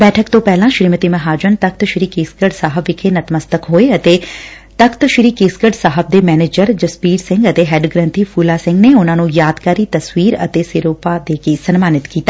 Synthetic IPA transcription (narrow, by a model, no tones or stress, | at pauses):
bɛːʈʰəkt̪õːpɛːlãʃɾimət̪imɐɦaːd͡ʒənt̪ək̚t̪ʃɪɾiːkeːskəɖsaːɦəbʋɪkʰenɐt̪məst̪əkɦoːeɐt̪eːt̪əkʰt̪ʃɪɾiːkeːskəɖsaːɦəb̚d̪eːmɛːneːd͡ʒəɾd͡ʒəspiːɖsɪ̃ŋɡət̪eɦɛːɖɡɾə̃nt̪ʰiːfʰuːlaːsɪ̃ŋɡneːʊnãːnũjaːd̪kaːɾiːt̪ɐswiːɾə̰t̪eːseːɾoːpad̪eːkesənmaːnɪt̪kiːt̪aː